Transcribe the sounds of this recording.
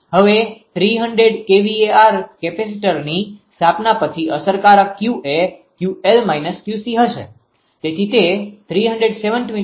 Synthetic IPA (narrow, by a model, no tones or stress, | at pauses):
ɦəʋet̪ʰɾiɦəɳɖɾeɖkeʋieaɾkepes̬iʈəɾnist̪ʰapnapət͡ʃʰiəsəɾkaɾakjuʔekjuelmajnəsʈjusiɦəʃḛ | t̪et̪ʰit̪et̪ʰɾiɦəɳɖɾeɖseʋəɳʈmi